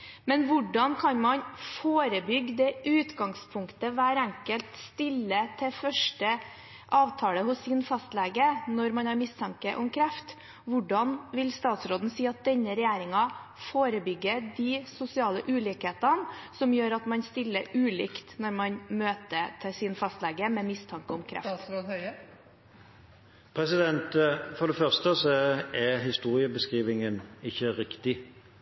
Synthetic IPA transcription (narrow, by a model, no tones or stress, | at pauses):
mɛnʋʊɖɑnkʰɑnmɑnfoːɾəbʏɡːd̪ɛʔʉːt̪ɡɑŋspʰʊŋkt̪əʋæːɾæŋkəlt̪st̪ɪlːət̪ʰɛfœʂʈə | ʔɑːʋt̪ʰɑːləhʊsːɪnfɑst̪lɛːɡənɔɾmɑnhɑɾmɪst̪ʰɑŋkəʔɔmkʰɾæft̪ | ʋʊɖɑnʋɪlst̪ɑːt̪sɾoːd̪n̩siːɑt̪̚d̪ɛnːəɾɛjæːɾɪŋɑfoːɾəbʏɡːəd̪isʊsɪɑːləʔʉːlɪkheːt̪ənsɔmjøːɾɑt̪mɑnst̪ɪlːəʉːlɪ̰kt̪nɔɾmɑnmøːt̪ət̪ʰɪsɪnfɑst̪lɛɡəmɛmɪst̪ʰɑŋkəɔmkʰɾæ̰ft̪ː | pʰɾɛsɪd̪ɛnt̪fɔd̪ɛfœʁst̪əsɔɛɦɪst̪uːɾɪəbəskʁiːʋɪŋənɪçːəɾɪkt̪ɪ